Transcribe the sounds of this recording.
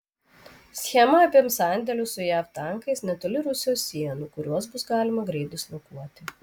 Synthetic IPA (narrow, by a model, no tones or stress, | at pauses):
sʲxʲɛmɐːpʲiɛmsɑˑnʲd̪ʲɛlʲʊsʊjæːft̪ɑˑŋkɐɪsnʲɛt̪oːlʲɪɾʊsʲɪjoːsːʲiɛnuːkʊɾʲuɔs̬bʊsɡɑːlʲɪmɐɡɾʲɛɪt̪ʊsʲlʲɐkuɔt̪ʲɪ